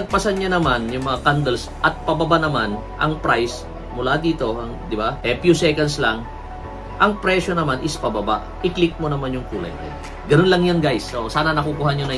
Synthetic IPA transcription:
nɐɡ̚pɐsanɲanɐmanjʊŋmɐŋakand̪ɛlsʔɐt̪̚pɐbɐbanɐman | ʔɐ̰ŋpɾajs | mʊlad̪iːt̪o̞ɐŋd̪ɪbahɛpjusɛkɐnslaŋ | ʔɐŋpɾɛʃo̞nɐmanʔɪspɐbɐba̰ʔʔɪklɪk̚monɐmanjʊŋkuːlɐ̰ja̰j | ɡɐnonlɐŋjanɡajsʔosaːnɐnɐkukuːhaɲjonɐ

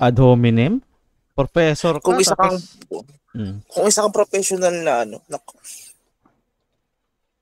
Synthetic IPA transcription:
ʔɐd̪hoːmɪnɪm | pɾofɛsoɾkʊŋɪsakɐŋ̩ | kʊŋɪsakɐŋpɾofɛsjonalnɐɐnonɐko

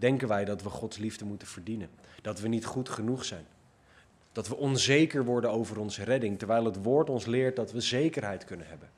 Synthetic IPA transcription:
d̥ɛŋkənʋɛjdɑtʋəχɔtslivdəmutənv̥əɹdinənd̥ɑtʋənitχutχənuχsɛjn | d̥ɑtʋəʔɔnzejkəɹʋɔɹdənowvərɔnzərɛdɪŋtɛɹʋɛjlˠɦətʋoːɹtɔnslɪːɹt̚dɑtʋəzejkəɹɦɛjtkɵnənɦɛbən

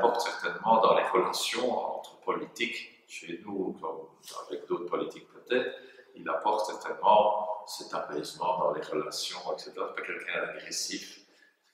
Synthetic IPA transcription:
pɔʁt̪sɛʁt̪ɛnmɑ̃d̪ɑ̃leʁəlasjɔ̃ɑ̰̃t̪χə̥pɔlit̪ik | ʃenukɔm | a̰vɛkd̪oːt̪χpɔlit̪ik̚pøt̪ɛt̪χilapɔʁt̪sɛʁt̪ɛnmɑ̃sɛt̪apɛzmɑ̃d̪ɑ̃leʁəlasjɔ̃ɛksɛt̪eʁasɛ̥pakʲɛlkʰɛ̃d̪aɡʁesif

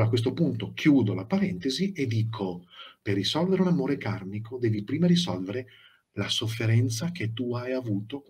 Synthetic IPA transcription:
ɾakːwest̪opunt̪okʰjuːd̪olapaɾɛnt̪ezied̪ːiːkʰoperːisɔlveɾeunamoːɾekarmikʰod̪ɛːvipɾiːmaɾisɔlveɾe | lasofːeɾɛnt̪saket̪ːuajavuːt̪o

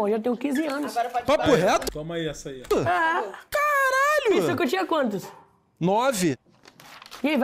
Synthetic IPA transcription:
ʒat̪ẽjʊkĩzɪɐ̃nʊsaɾpapapoɦɛt̪t̪õmɐiɛsɐiʊakaɾaʎʊisewkewt͡ʃĩɐkwɐ̃nt̪ʊs | nɔvɪ | iaiv

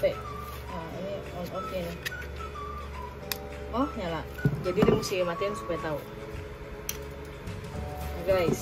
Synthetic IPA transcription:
pɛʔ | aini | ookenɪ | ɔhɲalaʔd͡ʒadidimusikəmat̪iansupajt̪aṵ | ɡajs

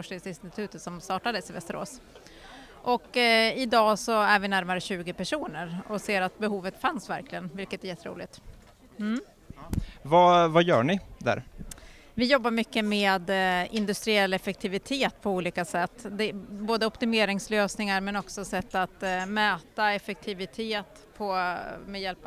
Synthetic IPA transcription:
fɔʂʈɪŋsɪnst̪ɪt̪ʰʉ̟ːt̪ət̪sɔmst̪ɑːʈad̪əsɪvɛ̰st̪əɾo̰ːs | ʔɔkɪd̪ɑːsɔæɾvɪnæɾmaɾəɕʉ̟ːɡəpæʂuːnəɾɔseːɾat̪̚bɛɦuːvət̪fansvæ̰ɾkʰlɪɡənvɪlkət̪ɛɾjɛt̪ːəɾṵːlɪt̪ | m̩ | vavajœ̰ːɳɪd̪æ̰ɾ | vɪjɔbːaɾmʏkːəmeːd̪ɪnd̪ɵst̪ɾɪɛlːɛfɛk̚t̪ʰɪvɪt̪ʰeːt̪pʰɔuːliːkasɛt̪ːd̪ɛboːd̪əɔpt̪ɪmeːɾɪŋsløːsnɪŋaɾmɛnɔksɔsɛt̪ːat̪møːt̪aɛfɛk̚t̪ʰɪvɪt̪ʰeːt̪ | pʰɔmɛjɛlp

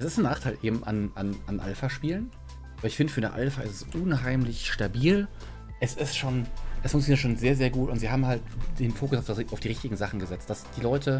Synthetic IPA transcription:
ʔɛsɪstn̩naːχtʰaɪlʔeːbm̩ʔa̰nʔananʔa̰lfaʃpiːlən | ʔaːbɐɪçfɪndəfyːɐnəʔa̰lfaʔɪstɛsʔunɦaɪmlɪçʃtabiːl | ʔɛsɪstʃoːnʔɛsfʊŋkt͡sjoniɐtʃoːnzeːɐzeːɐɡuːtʊntz̥iːhaːbm̩halt̚d̥eːnfoːkʊsaʊfd̥ʔaʊfd̥iːʁɪçtɪɡŋ̩zaχn̩ɡəzɛt͡st̚d̥asd̥iːlɔʏtʰə

